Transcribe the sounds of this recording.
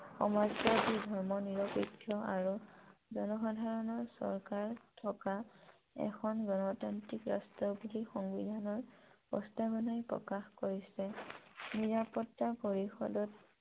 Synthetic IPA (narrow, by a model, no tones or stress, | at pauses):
xɔ̰mazɡɔdidʱɔɹmɔniɹɔpitʰːjɔaɹuzɔnɔxadʱaɹɔnɔɹsɔ̰ɹkaɹtʰɔka | ɛ̰kʰɔnɡɔnɔtantikɹa̰stɔbulixɔŋbḭdʱanɔɹpɔ̰stabɔnajpɹɔ̰kaxkoɹisɛniɹapɔtːapoɹixɔ̰dɔt